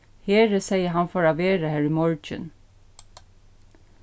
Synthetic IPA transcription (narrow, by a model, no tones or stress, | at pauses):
heːɾəsɛɪəɦɑnfɔɹɑːʋeːɾəhæɹɪmɔɹt͡ʃə̰n